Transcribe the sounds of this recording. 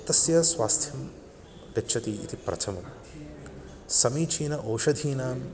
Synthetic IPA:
t̪ɐsjɐsʋaːst̪ʰjɐm | ɾɐtːʃʰɐt̪iḭt̪ipɾʔɐ̰t̪ʰɐmɐm | sɐmiːt͡ʃʰiːnɐʔoːʂɐd̪ʱiːnaːn

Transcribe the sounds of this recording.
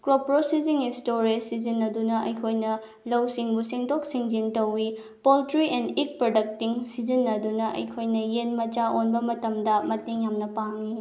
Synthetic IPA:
kɾopɾosiziŋistoɾisizinːɐdunɐʔɐ̰jkʰojnɐ | lɐwsiŋbusiŋdok̚siŋd͡ʒintɐwːi | poltɾienik̚pɾodɐk̚tiŋsizinːɐdunɐʔɐ̰jkʰojnɐjenmɐt͡ʃaʔonbɐmɐtɐmdɐmɐteŋjamnɐpaŋi

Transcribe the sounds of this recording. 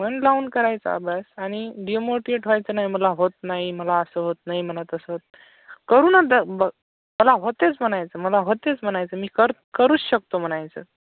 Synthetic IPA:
m̤əɳlaunkəɾajt͡sə̰a̰basaɽ̃iɖiomoɾʈieʈʰajt͡sənaɦiməlaɦot̪naɦiməlaəsəɦot̪naɦim̤ənət̪əsəɦot̪̚ | kəɾuːnəd̪əbə | məlaɦot̪ːet͡sm̤əñajt͡səːməlaɦot̪et͡sm̤əñajt͡səːmiːkəɾkəɾuːt͡sɕək̚t̪om̤əñajt͡sə̰

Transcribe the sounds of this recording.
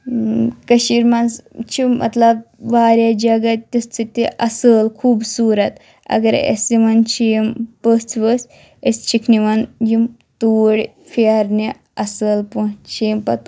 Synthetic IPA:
kəɕiɾmanzt͡ʃʰimʔɐ̰t̪lɐb̚ʋaɾʲjad͡ʒaɡat̪ʲːɐst͡sɨt̪ːeʔɐsəːlkʰuːbsuːɾɐt̪ | ɐ̰ɡɐɾḛsimant͡ʃʰiːmpəst͡sʰʋəsʲ | est͡ʃʰikʰniʋanjim | t̪uːɽ | faɾne | ɐsəːlpunt͡ʃʰiːmpɐt̪

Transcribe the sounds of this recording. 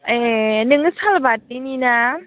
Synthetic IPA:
enɯŋɯsalbat̚inina

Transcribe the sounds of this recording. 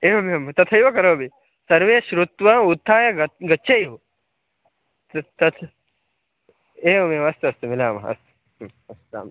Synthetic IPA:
eːʋɐmiɐmt̪ɐt̪ʰɐjʋɐkɐɾoːbi | sɐɾʋeːʃɾut̪ʋɐut̪ʰːaːjɐɡɐɡɐtːʃʰejʋu | t̪t̪ɐt̪ʰ | eːʋɐmeɐst̪uɐst̪umilaːmɐɐ̰st̪u̥ | ɐst̪a̰ːm

